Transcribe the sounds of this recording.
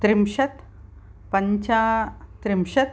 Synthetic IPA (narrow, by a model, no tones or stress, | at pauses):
t̪ɾimɕət̪ | pəɲt͡ɕat̪ɾimɕət̪